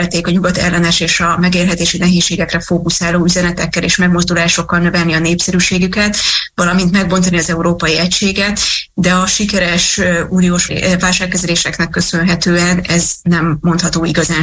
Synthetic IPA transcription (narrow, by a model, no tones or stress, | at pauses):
lt̪eːkɒɲuɡɒt̪ɛ̰lːɛnɛʃeːʃɒmɛɡeːrɦɛt̪eːʃinɛɦeːʃːeːɡɛkrɛfoːkusaːloːyzɛnɛt̪ɛkːɛleːʃmɛɡmo̞zd̪ulaːʃo̞kːɒlnø̞vɛlniɒneːpsɛɾyʃeːɡykɛt̪vɒlɒmint̪mɛɡbo̞nt̪ɒniɒzɛuɾoːpɒjiɛcʃeːɡɛt̪d̪ɛɒʃikɛɾɛʃøuːnioːʃvaːlʃaːkːɛzɛleːʃɛknɛkːø̞sønɦɛt̪øːɛnɛznɛmːo̞nt̪hɒt̪oːiɡɒzaːn